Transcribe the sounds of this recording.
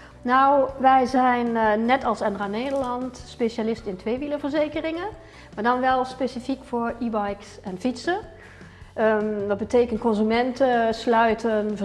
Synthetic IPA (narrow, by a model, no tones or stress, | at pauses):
nawʋɛjzɛjnːɛtɑlˠsɛndraːneːdəɹlɑntspeʃalɪstɪntʋejʋiləvəɹzejkərɪŋə | maːɹdɑnʋɛlˠspesifikfʊːɹibɑjksɛnfitsə | dɑd̚bəteːkəntkɔnzymɛntəslœɥtənvə